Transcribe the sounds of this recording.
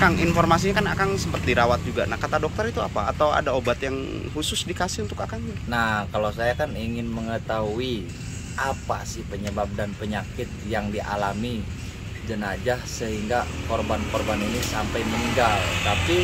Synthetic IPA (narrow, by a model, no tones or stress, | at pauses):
kaŋinfɔrmas̬iɲakanakaŋsəmpət̪̚diɾawat̪̚d͡ʒuɡa̰nahkat̪adɔk̚t̪ərit̪uapa̰ːt̪awa̰daobat̪jaŋhusʊsdikasɪhunt̪ʊkakaŋɲanakalowsajakaniŋɪnməŋət̪aɦui | ʔapa̰sɪhpəɲəbap̚danpəɲakɪt̪̚jaŋdiʔa̰lami | d͡ʒənad͡ʒahsəɦiŋɡakorbankɔrbaninɪsampajməniŋɡalt̪api